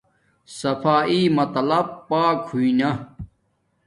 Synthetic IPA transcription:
sɐfʰaːʔimɐt̪lɐb̚paːkʰhuinɐ

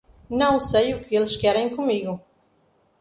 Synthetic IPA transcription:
nɐ̃w̃sejʊkɪelʃkɛɾẽj̃kumiɣʊ

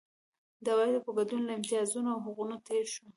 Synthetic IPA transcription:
d̪awɑd̪əpaɡad̪unlaɪmt̪iɑzunoawɦʊɣunot̪eɾʃu

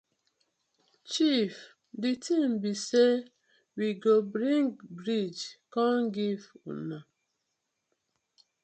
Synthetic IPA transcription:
t͡ʃif | ditĩmbise | wiɡobɹĩŋɡbɹid͡ʒkãnɡivṵ̃na

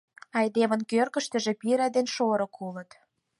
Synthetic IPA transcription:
ɑjd̪emə̆nkørkə̆ʃt̪ə̆ʒĕpiɾæd̪enʃoɾɤ̆kʰulə̆t̪

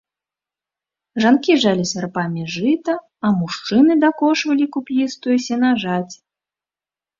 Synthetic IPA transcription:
ʐankʲiʐalʲisʲarpamʲiʐɨt̪ɐ | ɐmuʂt͡ʂɨnɨd̪akɔʂvɐlʲikupʲlist̪ujɛsʲɛnaʐat͡sʲ

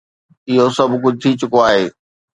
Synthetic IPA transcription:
ɪɦosɐbkʊd͡ʑʱt̪ʰit͡ɕʊkoaːɦeː

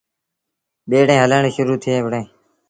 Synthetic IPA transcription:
ɓeːɽẽːɦələɳːʃʊɾuːt̪ʰɪeːʋɽẽː

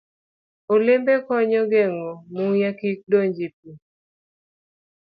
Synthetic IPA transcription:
olembekɔɲɔɡɛŋomuŋjakik̚doɲd͡ʒip̚i

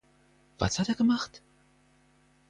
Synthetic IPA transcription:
v̥a̰shateːɐɡəmaχt

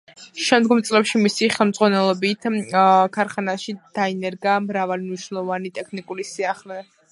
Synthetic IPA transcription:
ʃɛmd̪ɡɔmt̪sʼlɛpʃimisiχɛlˠmd̪zʁwanɛlˠɔbit̪ʰkʰaɾχanaʃid̪̥ainɛɾɡamɾavalimniʃnɛlˠɔvanit̪ʼɛkʰnikʼulisiaχlɛ

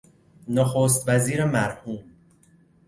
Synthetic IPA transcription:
noxoːs̬t̪væziːɾemæɾhuːm

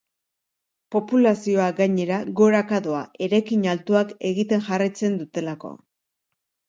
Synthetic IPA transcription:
po̞pulasio̞aɡaɲe̞ɾaɣo̞ɾakaðoae̞ɾajkiɲalt̪uake̞ɣit̪e̞ŋʝarajt͡se̞nd̪ut̪e̞lako̞̰

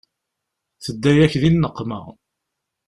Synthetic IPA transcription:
θəd̪ːæjæçðinːəqːmə̰ʁ

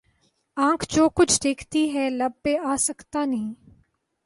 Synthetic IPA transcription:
ãːkʰd͡ʒoːkʊt͡ʃʰd̪eːkʰt̪iɦɛːlɐb̚peaːsəkt̪anɐɦĩː

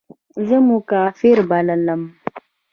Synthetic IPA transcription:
zəmʊkaːfiɾbalələm

